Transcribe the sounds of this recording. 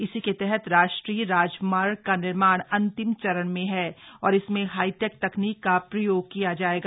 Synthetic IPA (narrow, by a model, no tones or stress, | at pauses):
ɪsiket̪ɛɦɛt̪ɾaːʃʈɾiːɾaːd͡ʒmaːɾkanɪɾmaːɽ̃ɐ̃nt̪ɪmt͡ʃɐɾəɽ̃mẽɦɛɔːɾɪsmẽɦaːiʈek̚t̪ɐkniːkːapɾɐjoːɡ̚kijad͡ʒaːeːɡaː